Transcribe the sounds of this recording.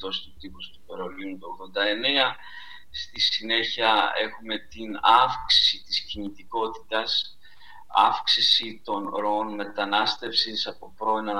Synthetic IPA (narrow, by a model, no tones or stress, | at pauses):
t̪o̞st̪ut̪ipust̪upeɾo̞liunt̪uoɣðo̞nd̪ɐe̞ne̞ɐ | st̪isine̞çiɐe̞xume̞t̪inɐfksi̥sit̪iscinit̪iko̞t̪i̥t̪ɐs | ɐ̰fksisit̪o̞nɾo̞o̞nme̞t̪ɐnɐst̪e̞fsisɐpo̞pɾo̞inɐ